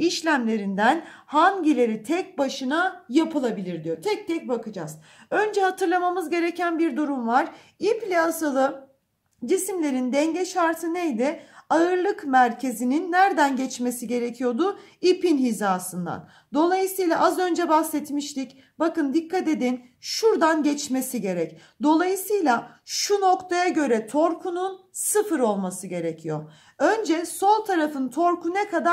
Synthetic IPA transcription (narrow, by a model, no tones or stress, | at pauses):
iʃlʲæmlʲe̞ɾind̪ænhanɟilʲe̞ɾit̪ʰɛc̚baʃɯnajapʰɯlˠabilʲiɾd̪ijo̞t̪ʰɛc̚t̪ɛc̚bakɯd͡ʒa̰z̥ | ø̞nd͡ʒɛhat̪ʰɯɾlˠamamɯzɟe̞ɾecʰænbiɾd̪uɾumvaɾ̥ | iplʲasalˠɯ | d͡ʒisimlʲe̞ɾind̪ɛɲɟɛʃaɾt̪ʰɯnejd̪ɪaɯɾlˠɯkmæɾcʰe̞zininːæɾd̪ænɟɛt͡ʃme̞siɟe̞ɾecʰijo̞d̪ʊ | ipinhizaːsɯnd̪a̰n | d̪o̞lˠajɯsɯjlˠaʔazø̞nd͡ʒɛbaxsɛt̪miʃlic | bakɯnd̪ikʰːat̪e̞d̪in | ʃuɾd̪anɟɛt͡ʃmesiɟe̞ɾɛc | d̪o̞lˠajɯsɯjlˠa | ʃuno̞kt̪ʰajaɟø̞ɾɛt̪ʰo̞ɾkʰununsɯfɯɾo̞lˠmasɯɟe̞ɾɛcʰijo̞ | ø̞nd͡ʒɛso̞lˠt̪ʰaɾafɯnt̪ʰo̞ɾkunɛkʰad̪a